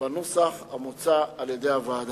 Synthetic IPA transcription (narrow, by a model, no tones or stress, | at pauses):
anusaxamut͡saːljed̪eavaːd̪